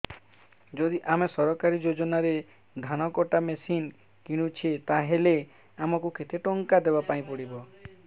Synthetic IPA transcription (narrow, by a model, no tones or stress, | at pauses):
d͡ʒod̪iʔamesɔɾɔkaɾid͡ʒod͡ʒɔnaɾe | d̪ʱanɔkɔʈamesin | kiɽ̃ut͡ʃʰet̪aɦele | amɔkukʰet̪ʰeʈoŋkad̪ebapaĩpɔɽibɔ